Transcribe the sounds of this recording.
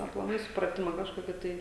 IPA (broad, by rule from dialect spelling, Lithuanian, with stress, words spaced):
ɐplˠɐˈmɐɪ sʊprɐˈtʲɪmɐ kɐʃˈkoːkʲɪ ˈtɐɪ